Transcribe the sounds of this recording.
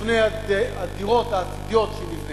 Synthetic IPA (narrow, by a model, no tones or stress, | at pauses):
fneja | ad̪iʁot̪aːt̪id̪ijo̞t̪ʃemivn